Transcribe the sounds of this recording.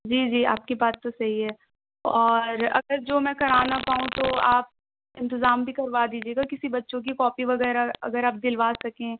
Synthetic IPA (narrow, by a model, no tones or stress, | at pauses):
d͡ʒiːd͡ʒiːa̰ːp̚kibaːt̪ːosɐɦiɦɛː | ɔːɾɐ̰ɡəɾd͡ʒoːmɛ̃kɐɾaːnapaːɦũt̪oaːp̚ | ɪ̃nt̪ɪzaːmbʱikɐɾʋad̪iːd͡ʒieːɡakɪsibɐtːʃõk̬ikɔːpiʋɐɣɛːɾaɐ̰ɡəɾaːp̚d̪ɪlʋaːsɐkẽ